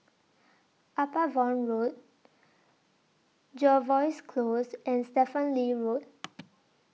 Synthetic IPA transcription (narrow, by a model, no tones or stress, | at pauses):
apavɔ̃nɹot̚ | d͡ʒɔvɔɪskʰloːzɛ̃nstɛfə̃nliɹoːt̚